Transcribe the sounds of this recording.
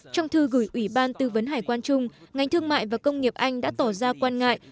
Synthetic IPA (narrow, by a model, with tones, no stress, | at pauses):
t͡ɕɔ˧wŋ͡mt̪ʰɨ˧ɣɨ˧˩jʔwi˧˩ɓaː˧nt̪ɨ˧və˨˦nɦaː˨˩jkwaː˧nt͡ɕʊ˧ŋ͡mŋa˨˩jŋ̟t̪ʰɨ˧əŋma̰ː˧˨jvaː˨˩kə˧wŋ͡mŋi˨˩əp̚ʔa˧jŋ̟ɗa̰ː˧˥t̪ɔ˧˩zaː˧kwaː˧nŋa̰ː˧˨jʔ